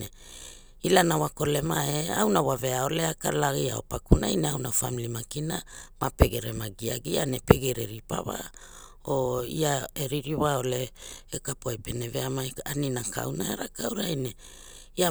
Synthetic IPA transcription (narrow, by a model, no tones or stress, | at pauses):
e | ilanawako̞lemaea̰wnawave̞aoleaka̰laɣia̰o̰pakunajneawnafamilimakinamape̞ɡeɾemaɡiaɡianepe̞ɡeɾeɾipa̰βa̰ | oiaeɾiɾiwaoleːkapoepeneveamajaninaka̰wnaeɾakawɾajne | ia